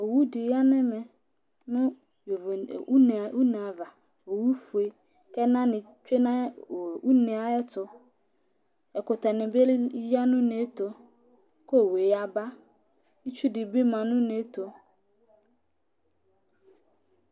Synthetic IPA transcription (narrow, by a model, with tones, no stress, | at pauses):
o˨wu˦dɪ˨ja˦nɪ̃˦mɛ̃˨ | nʊ̃˦˨ | u˦n˨wu˦n˨a˨va˨ | o˨wu˦fu˨e˦ | kɛ˦nã˦nɪ̃˨ | t͡ʃᶣe˦nã˦˨u˦nẽ˨a˨ɛ˦tʰʊ˨ | ɛ˨kʊ˨tʰa˨nɪ̃˨be˦lja˦nʊ̃˦nẽ˨˦tʰo˨ | ko˦˨we˨ja˨ba˦ | i˦t͡ʃʰu˦dɪ˨bi˦mã˨nʊ̃˦nẽ˦tʰo˨